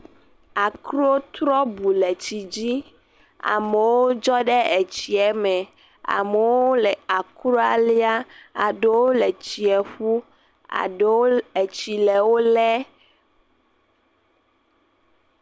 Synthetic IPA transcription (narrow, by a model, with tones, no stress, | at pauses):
a˨kɾo˦t̪ɾɔ˦bu˨lɛ˨t͡ɕi˨d͡ʑi˦ | a̰˨me˨wo˦d͡ʒɔ˦ɖɛ˦e˨t͡ɕi˨ɛ˨mɛ̃˨ | a̰˨me˨wo˦lɛ˨a˨kɾo˦a˦li˦a˦a̰˨ɖe˦wo˦lɛ˨t͡ɕi˨ɛ˨ɸu˦ | a̰˨ɖe˨t͡ɕi˨lɛ˨wo˦lɛ˦